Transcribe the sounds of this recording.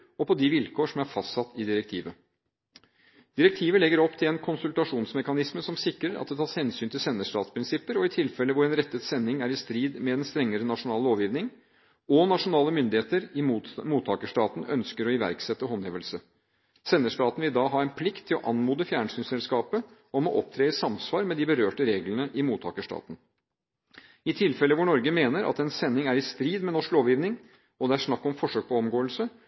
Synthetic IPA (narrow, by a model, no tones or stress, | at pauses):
ɔpʰɔd̪ɪʋɪlkʰoːʂɔmæɾfɑst̪sɑt̪ːɪd̪ɪɾɛk̚t̪ʰiːʋə | d̪̥ɪɾɛk̚t̪ʰiːʋəlɛɡəɾɔpːt̪ʰɪlɛnkʰʊnsʉlt̪ɑʂuːnsmɛkɑnɪsməsɔmsɪkːɾəɾ̰̚d̪ɛt̪ʰɑːshɛnsyːnt̪ɪlsɛnːəʂʈɑ̰ːt̪spʰɾɪnsɪpːəɾɔɪt̪ʰɪlfɛlːəʋʊɾɛnɾɛt̪ːət̪sɛnːɪŋæɾɪst̪ɾiːd̪mɛd̪ɛnst̪ɾɛŋːəɾənɑʂʊnɑːloːʋjiːʋnɪŋ | ɔnɑʂʊnɑːləmʏnd̪ɪheːt̪əɾɪmuːt̪ʰɑːkəʂʈɑːt̪n̩ʔœ̰nskəɾɔɪʋæ̰ɾksɛt̪ːəɦɔneːʋəlsə | sɛnːəʂʈɑːt̪n̩ʋɪld̪ɑːɦɑɛɪnpʰlɪkt̪ʰːɪlɔʔɑnmuːd̪əfjæːɳsyːnsɛlskɑːpə | ɔmɔʔɔp̚t̪ʰɾeːɪsɑmsʋɑːɾmɛd̪ɪbəɾøːʈəɾeːɡlənəʔɪmuːt̪ʰɑːkəʂʈɑ̰ːt̪n̩ | ɪt̪ʰɪlfɛləʋʊɳɔɾɡəmeːnəɾʔɑ̰t̪ɛnsɛnːɪŋæɾɪst̪ɾiːd̪mɛnɔʂkloːʋjiːʋnɪŋ | ɔd̪ɛæʂnɑkːɔmfɔʂøːk̚pʰɔɔmɡoːəlsə